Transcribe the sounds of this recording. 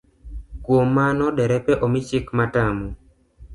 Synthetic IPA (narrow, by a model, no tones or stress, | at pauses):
kwomːanɔdɛɾɛpɛʔɔmit͡ʃɪkmatamo